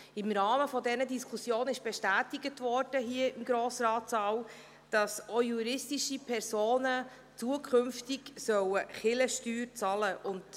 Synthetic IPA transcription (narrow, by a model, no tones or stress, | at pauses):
ɪmɾɑːməfɔdɛnədiskʰusjoːnɪʃb̥ɛʃtæːtɪɡətʋɔɾd̥əɦiəɪmɡɾoːsrɑːt͡sɑːw | d̥ɑsojuɾɪstiʃipʰɛɾsoːnə | t͡suəkʰχʏmftɪksœwəχɪləʃtyːɾt͡sɑləʔʊnd